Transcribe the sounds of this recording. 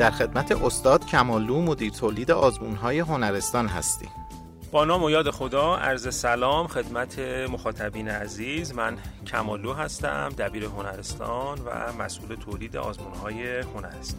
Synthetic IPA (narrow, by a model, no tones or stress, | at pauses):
d̪̥æɾxe̞d̪mæt̪ʰe̞ʔost̪ɒːd̪̥cʰæmɒːluːmo̞d̪iːɾt̪ʰoːliːd̪eʔɒːzmuːnɦɒːje̞ɦo̞næɾe̞st̪ɒːnɦæ̰st̪ḭː | b̥ɒːnɒːmojɒːd̪e̞xod̪ɒːæɾze̞sælɒːmxe̞d̪mæt̪ʰe̞moxɒːt̪ʰæbiːneæziːzmæncʰæmɒːluːɦæst̪æ̰md̪æbiːɾe̞ɦo̞næɾest̪ɒ̰nvæ̰mæ̰sʔuːlet̪ʰoliːd̪eɒːzmuːnhɒːje̞ho̞næɾest̪ː